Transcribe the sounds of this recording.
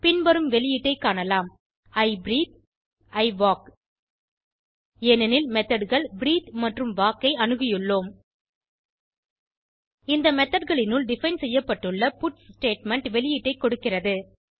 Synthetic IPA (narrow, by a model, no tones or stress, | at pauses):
pɪnbɐɾɯmʋɛlɪjiʈːɐɪkːaːnɐlaːm | ɐɪbɾiːt̪̚ | ɐɪʋaːk | enɛnɪlmɛt̪ːɐɖɣɐɭbɾiːt̪mɐʈrɯmʋaːkɐɪɐɳɯɣɪjɯɭːoːm | ɪnd̪ɐmɛt̪ːɐɖɣɐɭɪnʊɭɖɪfɐɪnsɛjːɐpːɐʈːɯɭːɐpʊʈsʈeːʈmɛɳʈʋɛlɪjiʈːɐɪkːɔɽɯkːɪrɐðɯ